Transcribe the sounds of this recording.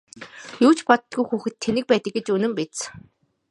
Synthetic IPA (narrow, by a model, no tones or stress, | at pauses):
juːt͡ɕpɔt̪t̪ɡujxuːxɘ̆t̪ʰːenɘ̆k̚pæːt̪ə̆k̚ɡĕt͡ɕɵnɘ̆mpet̪t͡s